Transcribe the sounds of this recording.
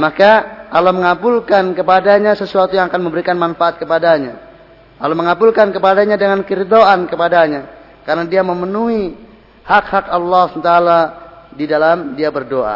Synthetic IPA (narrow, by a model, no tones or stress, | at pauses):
makaaloməŋabulkankəpadaɲasəsuat̪ujaŋakanmə̃mbəɾikanmanfaat̪̚kəpadaɲa | aloməŋabulkankəpadaɲadəŋankəɾid̪oankəpadaɲa | kaɾənadiaməmənui | hakhakalːɔsmt̪aːladidalamdiabərdoʔa̰